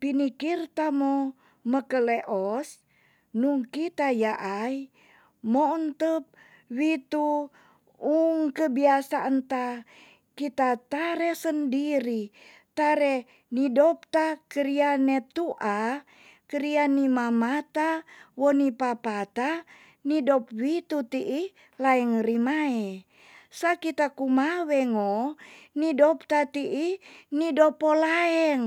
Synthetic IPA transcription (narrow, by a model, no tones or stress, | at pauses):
pinikirt̪amo | məkəleʔos | nuŋkit̪ajaʔai | mount̪əp̚ | wit̪u | uŋkəbiasaʔənt̪a | kit̪at̪aɾɛsəndiɾi | t̪aɾɛ | nidɔp̚t̪akəɾianɛt̪uʔa | kəɾianimamat̪awɔnipapat̪a | nidɔp̚wit̪ut̪iʔi | laɛŋrimaɛ | sakit̪akumawɛŋonidɔpt̪at̪iʔinidɔpɔlaɛŋ